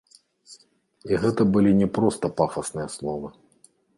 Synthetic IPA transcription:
iɣɛt̪ɐbɨlʲinʲɛpɾɔst̪ɐpafɐsnɨjɐslˠɔvɐ

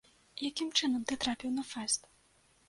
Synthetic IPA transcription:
jakʲimt͡ʂɨnɐmt̪ɨt̪ɾapʲiwnɐfasʲt̪

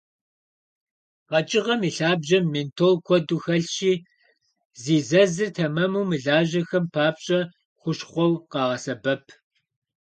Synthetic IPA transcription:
qɐt͡ʃʼɪʁɐmiːɬaːbʑɐmːentʰoːlkʷʰɔduxɐɬʃiː | ziːzɐzɨrtʰɐmɐmuːmɨɮaːʑɐxɐmpʰaːpɕʼɐ | χʷʊɕχʷɔwqɑːʁɐsɐbɐpʰ

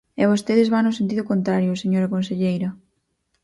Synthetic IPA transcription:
eβ̞ost̪eðezβaŋnʊsent̪̬iðʊkont̪ɾaɾjʊseɲoɾɐkonseʎejɾɐ

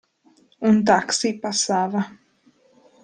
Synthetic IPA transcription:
unt̪̬aksiːpasaːva

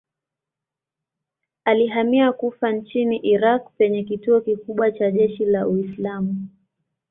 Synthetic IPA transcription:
aliɦamiakufant͡ʃiniʔiɾak̚pɛɲɛkituɔkikuɓwat͡ʃaʄɛʃilauislamu

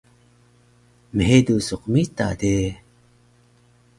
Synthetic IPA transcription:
məɦedusuqmit̪a̰d̪e

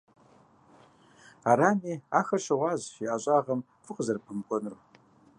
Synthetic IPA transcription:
aɾaːniːaːxɐrʃɐʁʷɑːʑiʔaɕʼaːʁɐm | fɨqʼəzɐrpʰɨmkʷʼɔnɨr

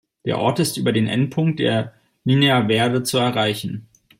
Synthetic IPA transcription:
d̥eːɐʔɔɐtɪstʔyːbɐdeːnʔɛ̰nt̚pʰʊŋkt̚d̥ḛːɐ | liːneɐveːɐdət͡suɛɐʁaɪçn̩

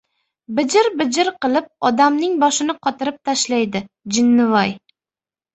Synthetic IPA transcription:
bɪd͡ʒɪɾbɪd͡ʒɪɾqɨlˠɪp̚ɒd̪amnɪŋbɒʃɪnɪqʰɒt̪ʰɪɾɪp̚t̪ʰaʃlajd̪ɪ | d͡ʒɪnːɪvɒj

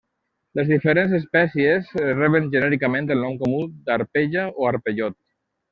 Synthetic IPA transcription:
ləzðifəɾenzes̬pɛsiezerɛβənʒənɛɾikamẽnt̪əlnɔmkomud̪aɾpeʒaoaɾpeʎot̪̚

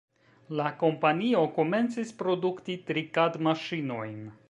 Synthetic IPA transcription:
lako̞mpanio̞ko̞me̞nt͡sispɾo̞duktitɾikadmaʃino̞jn

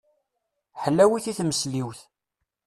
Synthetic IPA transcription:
ħəlːæwiθiθməsliwθ

